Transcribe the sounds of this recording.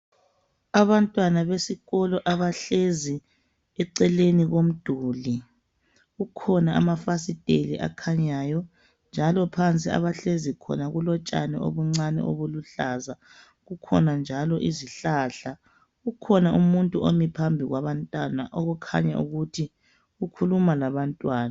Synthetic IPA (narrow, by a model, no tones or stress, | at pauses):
aβantʼwanaβesiɣɔlɔʔaβaɬezi | ɛǀɛleniɣom̩d̥ʱuːli | ɣukʰɔnaamafasitʼelḭʔa̰kʰaɲaːjɔ | nd͡ʒʱalɔpʰant͡sʼia̰βaɬezikʰɔ̰naɣulɔt͡ʃʼa̰nɛ̰ʔo̰βuŋ͡ǀanɛ̰ʔo̰βuluɬaza | ɣukʰɔ̰nand͡ʒʱalɔʔiziɬaɬa | ɣukʰɔnaʔumuntʼuomipʰambʱiɣwaβantʼwanaʔoɣukʰa̰ɲa̰ʔṵɣutʰi | ɣukʰulumalaβantʼwaːna